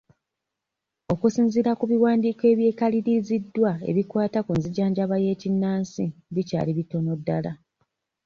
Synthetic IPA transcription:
o̞kusiːnziɾakuβiwaːndiːkoe̞ːβje̞ːkaliɾizidːwae̞̰βikwaːtakunziɟaːɲɟaβaje̞ːcinːaːnsidica̰ːliβito̞no̞dːala

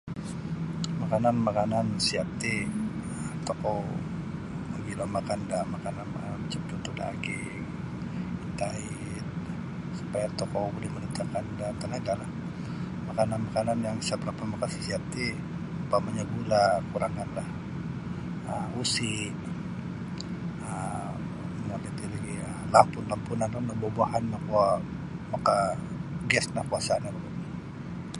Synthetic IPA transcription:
makananmakanansiat̪eət̪ɔkɔw | məɡilɔmakandamakananə̰mat͡ʃamt̪ut̪uda̰ɡɪ | ŋ | it̪aɪ | t̪̚ | su̥pajat̪ɔkowbolɛhmənit̪akandat̪ənaɡalah | makananmakananjaŋsabəɾapamakasi̥siat̪i | upamaɲabulakuɾaŋanlah | əmusi | ə | ŋəlit̪iliɡiə | lapʊnlampunanalabobaʔanːakua | makaɡɛsnahkuasaːnabu

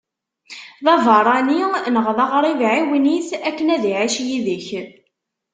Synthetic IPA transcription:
ðɑvɑɾˤɑninəʁðɑʁɾˤivʕiwiniθækːənæðiʕiʃjiðəç

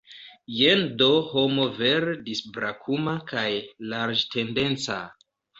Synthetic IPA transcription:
jendohomoveɾdisbɾakʰumakajlaɾd͡ʒte̞nde̞nt͡sa̰

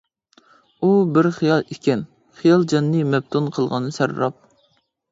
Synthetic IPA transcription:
ubɪɾχijɑlˠekʲɛn | χijɑlˠd͡ʒɛnːɨmɛb̚t̪ʰunqʰəlˠʁɑnɨsæɾɾɑp̚

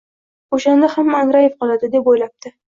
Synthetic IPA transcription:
oʃand̪ahamːŋɾajefqʰɒlˠad̪ɪd̪e̞pojlap̚t̪ʰɪ

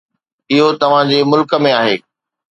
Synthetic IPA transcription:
ɪɦot̪ɐʋ̤ãd͡ʑemʊlkə̆mẽaːɦeː

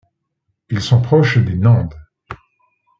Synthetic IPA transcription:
ilsɔ̃pχɔʃd̪enɑ̃d̪

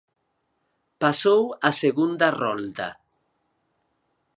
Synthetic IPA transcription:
pasowaseɣund̪arɔld̪a̰

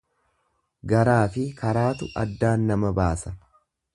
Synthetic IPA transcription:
ɡɐɾaːfɪkɐɾaːt̪ʊʔɐd̪ːaːnːɐmɐbaːsɐ

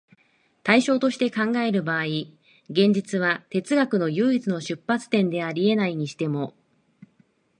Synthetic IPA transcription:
t̪aiɕo̞ːt̪o̞ɕi̥t̪e̞kãŋɡae̞ɾɯ̟baːi | ɡẽ̞ɲ̟d͡ʑit͡sɨβ̞at̪e̞t͡sɨɡakɯ̟no̞jɯ̟ːit͡sɨno̞ɕɨpːat͡sɨ̥t̪ẽ̞nd̪e̞aɾʲie̞naiɲ̟iɕi̥t̪e̞mo̞

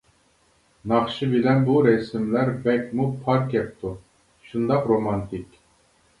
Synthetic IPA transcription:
nɑχʃɨbilɛnbuɾɛsɪmlæɾbɛkʲmupʰɑɾkɛp̚t̪ʰu | ʃund̪ɑqɾomɑnt̪ʰikʲ

